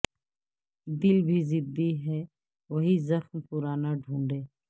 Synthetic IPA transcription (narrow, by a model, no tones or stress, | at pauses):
d̪ɪlbʱizɪd̪iɦɛː | ʋɐɦizɐxmpʊɾaːnaɖʱũːɳɖeː